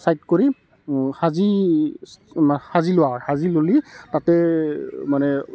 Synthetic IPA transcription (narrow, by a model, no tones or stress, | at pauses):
sajt̚koɹi | xazi | hazilʊaɹhazilolitatɛ | manɛ